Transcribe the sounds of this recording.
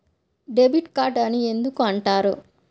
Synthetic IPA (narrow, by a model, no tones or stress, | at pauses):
ɖebiʈkaːʈɐnie̞nd̪ukuɐɳʈaːɾu